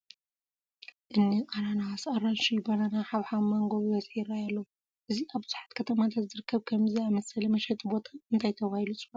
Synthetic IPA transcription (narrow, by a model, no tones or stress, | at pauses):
ʔɨnːiʔʼaɾanawasaɾanʃijbɐnanaħaβħamɐŋɡoβiβɐt͡sʼħiɾajalːɐwu | ʔɨziʔaβzħḁt̪kʰɐt̪ʰɐmat̪ʰat̪zɨɾɨkʰːɐβkʰɐmziamɐsɐlɐmɐʃɛt̪ʼbo̞t̪ʰaɨnt̪ʰajt̪ʰɐβahilut͡sʼɨβa